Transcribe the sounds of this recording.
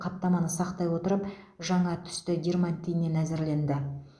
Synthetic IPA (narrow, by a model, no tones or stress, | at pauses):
qʰɑpt̪ːɑmɑnəsɑqt̪ɑjwo̞t̪əɾəpʒɑɴɑt̪ʰʏ̥st̪ɪɡʲermant̪ʲijne̞næzɪɾle̞nd̪ɪ